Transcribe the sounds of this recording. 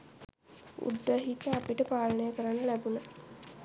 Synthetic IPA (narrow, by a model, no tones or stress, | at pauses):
ṵɖːəɦikəapiʈəpaːlənəjəkəɾanːəlæbuna